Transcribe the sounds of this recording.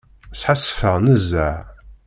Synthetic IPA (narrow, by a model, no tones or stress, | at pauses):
sħasfəʁnəzːæʕ